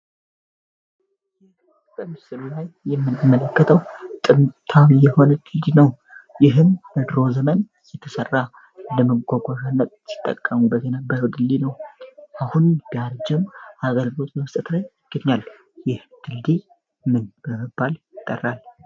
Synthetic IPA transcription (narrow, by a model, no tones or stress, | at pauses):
ɪ | b̥əmɨsɨlulajːɛmːɨnɨmːələkːət̪ʰəwt̪ʼɨnt̪ʰawijɛho̞nəd̪ɨld̪inəw | jɪɦɨmb̥əd̪ɨɾo̞zəmən | jɛt̪ʰəsərːa | ləməɡʷoɡʷaɾənːət̪si̥t̪ʼːə̰kʼːəmubəɡənabəɾəwd̪ɨlːinəwʔahunbiaɾd͡ʒɨmʔaɡəɾɡɨlo̞t̪ʼjəwʊst̪ʼət̪lajɪɡ̥ɨbɲal | jɪhd̪̥ɨld̪i | mɨnb̥əmɨbːaljɪt̪ʼːə̰rːal